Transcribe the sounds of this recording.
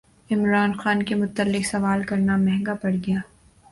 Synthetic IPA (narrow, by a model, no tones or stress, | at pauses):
ɪmɾaːnxaːnkemʊt̪ːəlːɪksɐʋaːlkɐɾnamɛɦŋɡapɐɽɡɐjaː